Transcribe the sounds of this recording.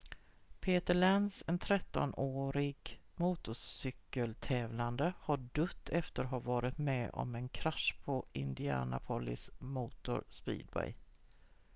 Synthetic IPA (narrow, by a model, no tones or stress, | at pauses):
pʰeːt̪əɭɛnsɛnt̪ʰɾɛt̪ːɔnoːɾɪɡmuːt̪ʊsʏkːəlt̪ʰɛːvland̪əhaɖɵt̪ʰːɛft̪əɾɦavɑːɾɪt̪mɛːʔɔ̰mɛnkʰɾaʂpʰɔɪnd̪ɪæ̰ːna̰pʰɔlɪsmuːt̪ʊ̰ɾspḭːd̪̚bɛ̰j